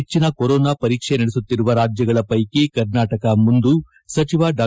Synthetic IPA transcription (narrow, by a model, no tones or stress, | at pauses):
et͡ʃːinɐkoɾɔːnapɐɾiːkʂenɐɽesut̪ːiɾuʋɐɾaːd͡ʒjɐɡɐɭɐpɐjkekɐɾnaːʈɐkɐmund̪u | sɐt͡ʃiʋaɖaː